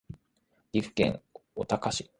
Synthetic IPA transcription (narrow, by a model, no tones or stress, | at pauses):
ɾʲiɸɯ̟̥kẽ̞̰ŋot̪akaɕi